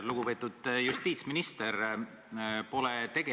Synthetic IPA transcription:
luɡ̥upe̞ːt̪ːˑud̪̥just̪iːt̪sminist̪er | po̞lɛt̪e̞ɡe

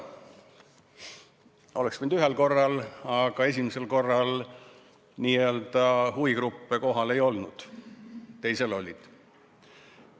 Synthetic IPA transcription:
o̞leksmind̪yɦe̞lko̞rːɑlɑɡ̥ɑe̞s̬ʲimise̞lko̞rːɑl | niːeøld̪ɑhuvikɾupːeko̞ɦɑle̞jo̞lnud̪̥ | t̪ːe̞jse̞lo̞lʲːid̪̥

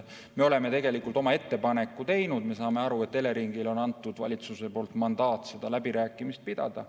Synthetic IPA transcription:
me̞o̞le̞me̞t̪e̞ɡe̞likːˑult̪ˑo̞mɑe̞t̪ːe̞pɑne̞kːˑut̪e̞jnud̪̥me̞sɑːme̞ɑɾuet̪ːe̞le̞ɾiŋɡ̥ilo̞nɑnt̪ːˑud̪̥vɑ̰lʲit̪suse̞po̞ːlt̪ˑmɑnd̪̥ɑːt̪ːˑse̞d̪̥ɑlæbiɾæːkˑːimist̪̚pid̪̥ɑ̰d̪̥ɑ̰

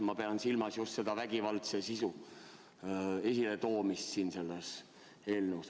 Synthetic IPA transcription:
mɑpeɑnsilmɑsjust̪se̞d̪̥ɑvæɡ̥ivɑlt̪sesisu | e̞sʲilet̪o̞ːmist̪siːnse̞lːes | e̞ːlneus

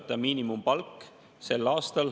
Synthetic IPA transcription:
t̪ːˑɑmiːnimumpɑlkː | se̞lːɑːst̪ɑl

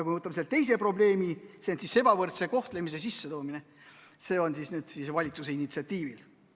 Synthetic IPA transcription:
kujmevɤt̪ːˑɑmselt̪e̞jse̞pro̞ble̞ːmisensise̞b̥ɑvɤrt̪se̞ko̞ht̪le̞mis̬e̞sisːe̞t̪o̞ːmine̞ | se̞ːo̞nsisnyːd̪̥siːsvɑlʲit̪sus̬e̞init̪siɑt̪ʲːiːvil

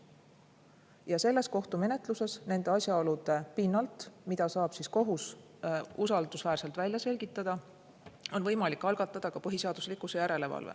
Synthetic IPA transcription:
jɑse̞lːe̞sko̞ht̪ume̞ne̞t̪ˑluse̞sne̞nd̪e̞ɑsjɑo̞lud̪̥e̞pinːɑlt̪ˑmid̪̥ɑsɑːb̥sisko̞ɦus | usɑld̪̥usvæːɾse̞lt̪vælʲjɑse̞lʲɡ̥it̪ːˑɑd̪̥ɑ | o̞nvɤ̞jmɑlikːˑɑlɡ̥ɑt̪ːˑɑd̪̥ɑkɑpɤɦise̞ɑd̪uslikːˑusejæɾe̞le̞vɑ̰lvḛ

